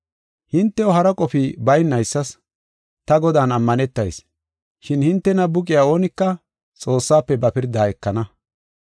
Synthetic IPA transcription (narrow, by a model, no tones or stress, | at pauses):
hɪnt̪ːɛɔɦɐɾɐkʼɔfɪbɐjnːɐjsːɐs | t̪ɐɡɔd̪aːnɐmːɐnɛt̪ːɐjs | ʃɪnhɪnt̪ːɛnɐbʊkʼɪjaːo̞ːnɪkːɐ | t͡sʼo̞ːsːaːpːɛbɐpɪɾd̪aːjɛkːɐnɐ